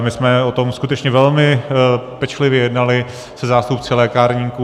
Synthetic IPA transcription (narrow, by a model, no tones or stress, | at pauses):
mɪsmɛot̪o̞mskut̪ɛt͡ʃɲɛvɛlmɪpɛt͡ʃlɪvjɛjɛdnalɪ | sɛzaːst̪upt͡sɪlɛːkaɾɲiku